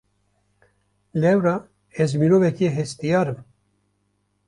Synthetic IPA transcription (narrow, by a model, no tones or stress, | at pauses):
lɛwɾa | ɛzminovɛkieɦɛst̪ijɑːɾɨm